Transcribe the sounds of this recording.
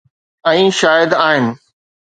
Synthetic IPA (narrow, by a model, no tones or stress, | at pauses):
ɛ̃ːʃaːjəd̪aːɦɪnɪ̆